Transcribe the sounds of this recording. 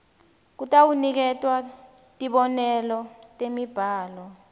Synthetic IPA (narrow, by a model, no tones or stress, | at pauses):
k̬utʼawunik̬ɛtʼwa | tʼiɓɔnɛlɔtʼemib̥ʱaːlɔ